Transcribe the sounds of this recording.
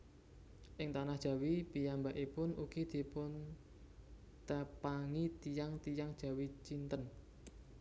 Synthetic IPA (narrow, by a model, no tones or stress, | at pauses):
ʔɪŋt̪anahd̥ʒ̥a̤wipijambaʔipʊnuɡ̥id̪̥i̤pʊn | t̪əpaŋit̪ijaŋt̪ijaŋd̥ʒ̥ä̤wit͡ʃint̪ən